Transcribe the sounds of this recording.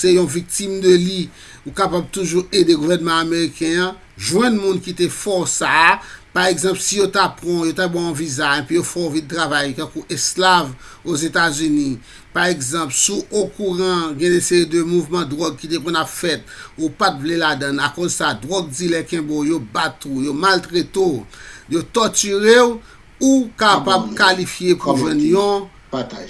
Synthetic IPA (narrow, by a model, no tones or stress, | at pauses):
sejɔ̃vik̚t̪imd̪øli | ukapab̚t̪uʒuedeɡuvɛnmãameʁikɛ̃ã | ʒwɛ̃nmũnkit̪efɔsapaʁeɡzɑ̃plsijot̪apʁɔ̃jot̪abwãɔ̃vizaẽpijofɔvid̪̚tʁavajkãkuʔeslav | ozet̪azyni | paʁeɡzɑ̃plsuokuʁɑ̃ɡɛ̃nɛ̃sejid̪ømuvmɑ̃d̪ʁɔɡ̚kit̪ekɔ̃napfɛt̪̚upatvleladãnakozsadʁɔɡ̚d͡zilɛkɛ̃bojobat̪ujomalt̪ʁet̪ojot̪ɔtyʁew | ukapab̚kalifjepuvɛ̃njɔ̃ | ataj